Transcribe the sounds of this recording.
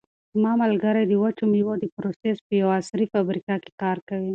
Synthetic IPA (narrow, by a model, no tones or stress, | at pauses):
zmɑmalɡaɾajd̪əwat͡ʃumjiwod̪əpɾosespəjawasɾifabɾikake̥kɑɾkawi